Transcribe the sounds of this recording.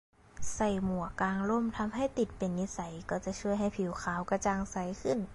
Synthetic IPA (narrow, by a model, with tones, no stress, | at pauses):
sa˧˩jmu˨˩əkːaː˧ŋlo˧˥˩mt̪ʰa˧mɦa˧˥˩jt̪i˨˩t̪̚pe˨˦nːi˧˥sa˨˦jkɔː˧˩t͡ɕa˨˩t͡ɕʰu˥˩əjɦa˧˩jpʰi˨˦wxʰaː˨˦wka˧˩t͡ɕa˧ŋsa˨˦jkʰɯ˧˥˩n